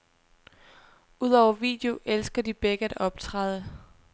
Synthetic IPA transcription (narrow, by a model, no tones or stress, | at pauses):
uð̞ˠɒʊ̰ɐʋḭːd̥e̝o̝ʔelsɡ̥ɐd̥ib̥eɡ̥əæd̥ɒ̽b̥t͡sʰʁɑðˠə